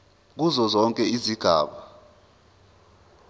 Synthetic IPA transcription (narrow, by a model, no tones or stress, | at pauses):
k̬uzɔzɔŋkʼɛiziɡ̥ʱa̰ːɓa